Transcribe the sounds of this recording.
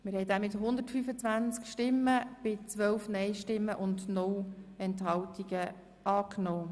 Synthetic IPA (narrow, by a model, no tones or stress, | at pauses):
mɪɾhɛjdæːmɪt̪ɦʊnd̪ərtfyfət͡svʋænt͡skʃtɪmːəb̥ɪt͡sʋœlfnɛɪʃtɪmːəʔʊndnʊwɛnthɑltiɡə | ʔɑːknoː